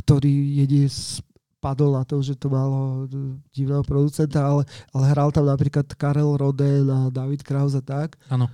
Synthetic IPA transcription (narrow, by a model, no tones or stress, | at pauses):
kt̪ɔɾiːjɛɲɪɛs | pad̪ɔlnat̪ɔmʒɛt̪ɔmalɔɟiʋnɛɦɔpɾɔd̪ut͡sɛnt̪aalɛʔalɛɦɾalt̪amnapɾiːklat̪kaɾɛlɾɔd̪ɛnad̪aʋit̪kɾaʊzat̪akaːnɔ